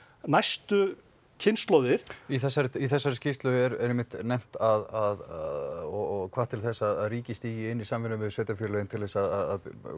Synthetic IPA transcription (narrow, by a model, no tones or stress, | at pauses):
najst̪ʏ | cʰɪnst̪lɔwðɪɾ̥iθɛsːaɾɪiθɛsːaɾɪscɪst̪lʏɛɾɛ̰ɾɛmːɪht̪najm̥t̪aðað | ɔɣɔɣkʰvḁːt̪ʰɪlθɛsːaaðaðɾiːcɪst̪iːjɪɪnːisamvɪnʏmɪðsœːt̪afʏːɾlœɪnt̪ʰɪlðɛsaðaða̰ð